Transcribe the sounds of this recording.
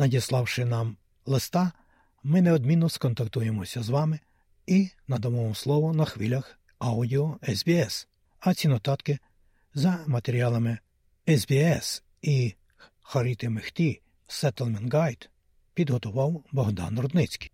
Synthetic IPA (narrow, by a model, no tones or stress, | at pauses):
nɐdʲislˠɑwʃɪnɑm | lˠɪst̪ɑ | mɪneɔd̪mʲinːɔskɔnt̪ɐk̚t̪ujemɔsʲɐzʋɑmɪ | inɐd̪ɐʋɔmɔslˠɔʋɔnɐxʋɪlʲɐx | ɑwdʲiɔɛzbʲiɛs | ɐt͡sʲinɔt̪ɑt̪kɪ | zɐmɐt̪eɾʲiɑlˠɐmɪ | ɛzbʲiɛs | i | xɐɾʲit̪ɪmɪxt̪ʲi | sɛt̪elˠmɛnɡɑjt̪ | pʲid̪ɦɔt̪ʊʋɑwbɔɦd̪ɑ̰nrɔd̪nɪt͡sʲkʲi̥j